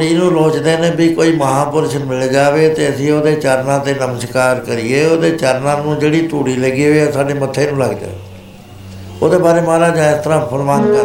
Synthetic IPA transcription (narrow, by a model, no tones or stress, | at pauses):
ɽiːnũːloːt͡ʃd̪eːnẽːbiːkoːiːməɦãːpʊɾʃmɪld͡ʒaːʋeːt̪eːəsĩːoːd̪eːt͡ʃaɾnãːt̪eːnəməʃkaːɾkəɾɪeːoːd̪eːt͡ʃəɾnãːnũːd͡ʒeːɽiːt̪uːɽiːləɡiːɦoːãːsaːɖeːmət̪ʰːeːnũːləɡd̪ḛː | o̰ːd̪eːbaːɾeːmaːɾaːd͡ʒãːɪst̪əɾãːpʰəɾmãːnkə